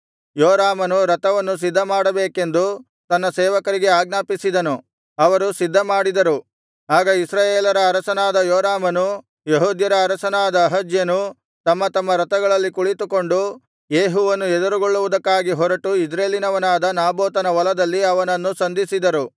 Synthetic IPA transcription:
joːɾaːmɐnuɾɐt̪ɐʋɐnːus̬id̪ʱːɐmaːɽɐbeːke̞nd̪u | t̪ɐnːɐsɛːʋɐkɐɾiɡe̞aːɡnaːpisid̪ɐnu | ɐʋɐɾusid̪ʱːɐmaːɽid̪ɐɾu | aːɡɐisɾaːjeːlɐɾɐːɾɐsɐnaːd̪ɐjoːɾaːmɐnu | jeɦuːd̪jɐɾɐːɾɐsɐnaːd̪ɐːɦɐd͡ʒjɐnu | t̪ɐmːɐt̪ɐmːɐɾɐt̪ɐɡɐɭɐlːikuɭit̪uko̞ɳɖu | jeːɦuʋɐnːuɛd̪ɐɾuɡoɭːuʋud̪ɐkːaːɡiɦɔɾɐʈuid͡ʒɾeːlinɐʋɐnaːd̪ɐnaːboːt̪ɐnɐʋɐlɐd̪ɐlːiɐʋɐnɐnːusɐnd̪ʱisid̪ɐɾu

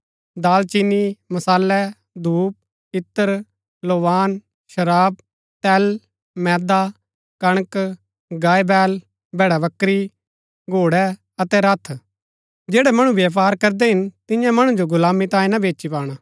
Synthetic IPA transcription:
d̪aːlt͡ʃinːimɐsaːlːɛ | d̪uːp̚ | ɪt̪ːəɾ | loːʋaːn | ʃɐɾaːb̚ | t̪ɛːl | mɛ̃ːd̪a | kɐɽ̃k | ɡaːebɛːl | bʱɛːɽaʋɐkɾi | ɡʱoːɽɛ | ɐt̪ɛɾɐt̪ʰ | d͡ʒeːɽɛmɐɽ̃ũʋjaːp̬aːɾkɐɾd̪ɛɦɪnt̪ɪjãmɐɽ̃ũd͡ʒoɡʊlaːmit̪ãːĩnɐbeːt͡ʃipaːɽ̃aː

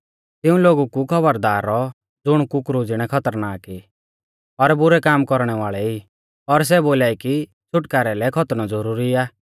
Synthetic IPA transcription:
t̪ɪũloːɡukukʰɔbəɾd̪aːɾɔ | d͡zʊɽ̃kukɾud͡zɪɽ̃ɛkʰɔt̪əɾnaːki | ɔɾbʊɾɛkaːmkɔɾɽ̃ɛʋaːɭɛi | ɔɾs̬ɛboːlaːiki | t͡ʃʰʊʈkaːɾɛlɛkʰɔt̪ñɔd͡zɔɾuːɾiaː

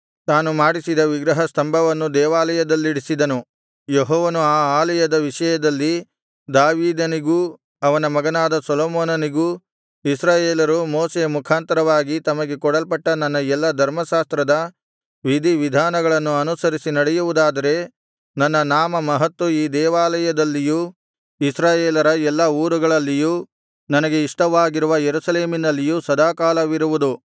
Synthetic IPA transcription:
t̪aːnumaːɽisid̪ɐʋiɡɾɐɦɐst̪ɐmbʱɐʋɐnːud̪ɛːʋaːlɐjɐd̪ɐlːiɽisid̪ɐnu | jeɦɔːʋɐnuaːaːlɐjɐd̪ɐʋiʂɐjɐd̪ɐlːi | d̪aːʋiːd̪ɐniɡuː | ɐʋɐnɐmɐɡɐnaːd̪ɐsɐloːmoːnɐniɡuː | isɾaːjeːlɐɾumoːseːmukʰaːnt̪ɐɾɐʋaːɡit̪ɐmɐɡe̞kɔɽɐlpɐʈːɐnɐnːɐɛlːɐd̪ʱɐɾmɐʃaːst̪ɾɐd̪ɐ | ʋid̪ʱiʋid̪ʱaːnɐɡɐɭɐnːuɐnusɐɾisinɐɽɛjuʋud̪aːd̪ɐɾe̞ | nɐnːɐnaːmɐmɐɦɐt̪ːuiːd̪ɛːʋaːlɐjɐd̪ɐlːijuː | isɾaːjeːlɐɾɐɛlːɐuːɾuɡɐɭɐlːiju | nɐnɐɡe̞iʂʈɐʋaːɡiɾuʋɐjeɾusɐleːminɐlːijusɐd̪ʱaːkaːlɐʋiɾuʋud̪u

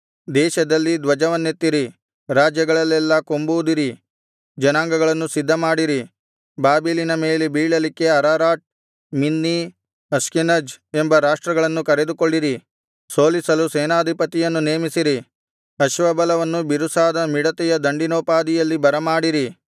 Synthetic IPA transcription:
d̪ɛːʃɐd̪ɐlːid̪ʋɐd͡ʒɐʋɐnːet̪ːiɾi | ɾaːd͡ʒjɐɡɐɭɐlːɛlːɐko̞mbud̪iɾi | d͡ʒɐnaːŋɡɐɡɐɭɐnːusid̪ʱːɐmaːɽiɾi | baːbilinɐme̞ːlebiːɭɐlikːe̞ɐɾaːɾaːʈ̚ | minːi | ɐskinɐd͡ʒembɐɾaːʂʈɾɐɡɐɭɐnːukɐɾe̞d̪ukoɭːiɾi | so̞ːlisɐluseːnaːd̪ʱipɐt̪ijɐnːuneːmisiɾi | ɐʃʋɐbɐlɐʋɐnːubiɾusaːd̪ɐmiɽɐt̪ɛjɐd̪ɐɳɖinoːpaːd̪ijɐlːibɐɾɐmaːɽiɾi

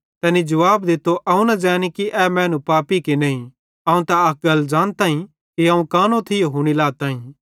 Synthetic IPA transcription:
t̪ɛːnid͡ʒɐʋaːbd̪ɪt̪oʔɐũnɐ̃d͡ʒɛ̃ːnikiʔɛmɛ̃ːnũpaːpikinɐːĩ | ɐːũt̪aɐk̚ɡɐld͡ʒaːnt̪aːĩ | kiãːũkaːnõt̪ʰɪjoɦuɽ̃ilaːt̪aːĩ

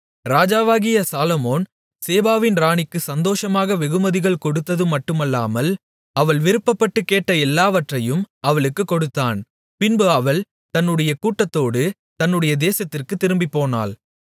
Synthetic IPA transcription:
ɾaːd͡ʒaːʋaːɣɪjɐsaːlɐmoːn | seːbaːʋɪnɾaːɳɪkːɯsɐnd̪oːʂɐmaːɣɐʋɛɣɯmɐðɪɣɐɭkɔɽɯt̪ːɐðɯmɐʈːɯmɐlːa̰ːmɐl | ɐʋɐɭʋɪɾɯpːɐpːɐʈːɯkːeːʈːɐɛlːaːʋɐʈrɐjɯmɐʋɐɭɯkːɯkːɔɽɯt̪ːaːn | pɪnbɯɐʋɐɭ | t̪ɐnːɯɽɐjɐkuːʈːɐt̪ːoːɽɯ | t̪ɐnːɯɽɐjɐd̪eːsɐt̪ːɪrkɯt̪ːɪɾɯmbipːoːna̰ːl

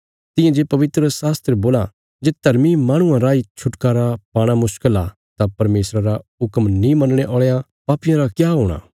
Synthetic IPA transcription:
t̪ɪjẽd͡ʒeːpɐʋɪt̪ɾəsaːst̪ɾeboːla | d͡ʒeːt̪ɐɾmimaːɽ̃ʊ̃ãɾaːit͡ʃʰʊʈkaːɾapaːɽ̃amʊʃkəla | t̪apɐɾmeːsɾaɾaʊkmnĩmɐnɽ̃eʔɔːɭeːa | paːpijãɾakjaːɦoːɽ̃a̰ː

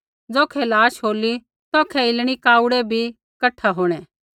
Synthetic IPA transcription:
d͡zɔːkʰɛlaːʃɦoːli | t̪ɔːkʰɛɪlɽ̃ikaːʊɽɛbʱi | kɐʈʰːaɦoːɽ̃ɛ̃

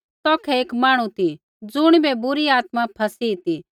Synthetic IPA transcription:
t̪ɔːkʰɛeːkmaːɽ̃ũt̪i | d͡zʊɽ̃bɛbʊɾiaːt̪mãpʰɐsit̪i

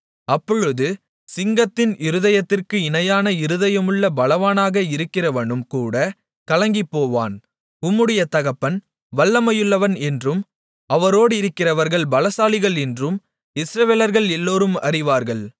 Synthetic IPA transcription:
ɐpːɔɻɯðɯ | sɪŋɡɐt̪ːɪnʔɪɾɯðɐjɐt̪ːɪrkɯɪnɐjaːnɐɪɾɯðɐjɐmɯɭːɐbɐlɐʋaːnaːɣɐɪɾɯkːɪrɐʋɐɳɯmkuːɽɐ | kɐlɐŋɡɪpːoːʋa̰ːn | ʊmːɯɽɐjɐt̪ɐɣɐpːɐn | ʋɐɭːɐmɐjɯɭːɐʋɐnɛndrɯm | ɐʋɐɾoːɽɪɾɯkːɪrɐʋɐɾɣɐɭbɐlɐsaːlɪɣɐɭɛndrɯm | ɪsɾɐʋeːlɐɾɣɐɭɛlːoːɾɯmɐ̰ɾɪʋaːɾɣɐɭ

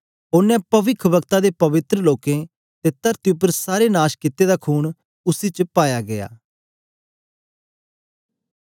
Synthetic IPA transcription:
ʊnːɛ̃pəʋɪkʰʋəkt̪aːd̪eːpɐʋɪt̪ɾəloːkẽ | t̪et̪əɾt̪iʊp̬ːəɾsaːɾenaːʃkɪt̪ːeːd̪aːkʰuːɳ | ʊsiːt͡ʃəpaːjaːɡɪja̰ː

